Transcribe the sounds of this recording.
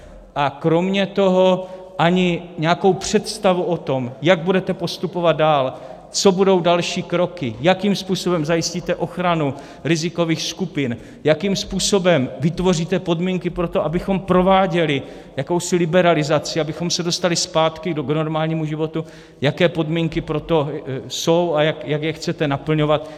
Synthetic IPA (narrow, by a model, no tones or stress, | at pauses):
ʔakɾo̞mɲɛt̪o̞ɦo̞ | ʔaɲɪɲɛako̞wpr̝̥ɛt̪st̪avuʔo̞t̪o̞mjaɡ̚budɛt̪ɛpo̞st̪upovad̪̚daːl | t͡so̞budo̞wdalʃiːkɾo̞kɪjakiːmspuːso̞bɛmzajɪsciːt̪ɛʔo̞xɾanu | ɾɪzɪko̞viːxskupɪn | jakiːmspuːso̞bɛmvɪt̪vo̞riːt̪ɛpo̞dmiŋkɪpɾo̞t̪o̞ʔabɪxo̞mpɾo̞vaːɟɛlɪ | jako̞wsɪlɪbɛɾalɪzat͡sɪabɪxo̞msɛdo̞st̪alɪspaːt̪kɪdɡnoɾmaːlɲiːmuʒɪvo̞t̪u | jakɛːpo̞dmiːŋkɪpɾo̞t̪o̞sowajakjaɡjɛxt͡sɛt̪ɛnapl̩ɲo̞vat̪